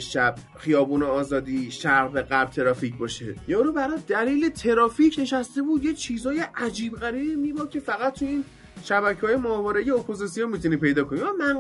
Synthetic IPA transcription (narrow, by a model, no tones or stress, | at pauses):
ʃæb̥̚ | xijɒːbuːneɒːzɒːd̪iːʃæɾʁbeɢæɾb̚t̪ʰe̞ɾɒːficbɒːʃejɒɾubæɾɒd̪̥æliːle̞t̪ʰe̞ɾɒːfiːcʰne̞ʃæst̪e̞buːd̪je̞t͡ʃʰiːzɒːje̞ʔæd͡ʒiːbɢæɾiːbiːmiːbɒːb̚cʰe̞fæɣæt̪ʰːuiːn | ʃæbæcʰehɒːjemɒːvɒːɾeijeopʰo̞zisijonmit̪ʰuniːpe̞jd̪ɒːkʰo̞niamæn